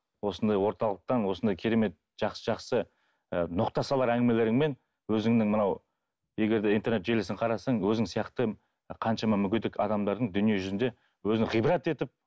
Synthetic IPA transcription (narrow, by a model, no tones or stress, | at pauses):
wo̞sənd̪ɑjwo̞ɾt̪ɑlˠəq̚t̪ɑnwo̞sənd̪ɑjkʲʰeɾe̞me̞t̪̚ | ʒ̥ɑqsə̥ʒɑqsə | ənoqt̪ɑsɑlˠɑɾæŋɡʲɪme̞le̞ɾɪŋme̞n | wɵzɪŋnɪŋmənɑw | je̞ɡʲe̞ɾd̪eint̪ʰe̞ɾnet̪ʒelɪsɪŋqʰɑɾɑsɑɴwɵzɪŋsijɑqt̪ə | qʰɑnʃɑmɑmʏkʲɪd̪ɪkʰɑd̪ɑmd̪ɑɾd̪əɴd̪ʏnije̞ʒʏzɪnd̪e̞ | wɵzɪŋʁijbɾɑt̪e̞t̪ɪp̚